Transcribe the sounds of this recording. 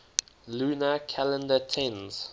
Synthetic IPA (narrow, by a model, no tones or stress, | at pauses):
luːnəkʰalə̃ndətʰɛ̃nz̥